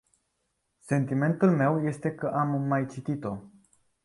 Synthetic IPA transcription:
se̞nt̪ime̞nt̪ulme̞wje̞st̪e̞kəʔamːajt͡ʃit̪it̪o̞

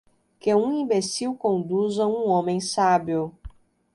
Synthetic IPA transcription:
keũĩbesiwkõnd̪uzɐ̃ũõmẽj̃sabiʊ

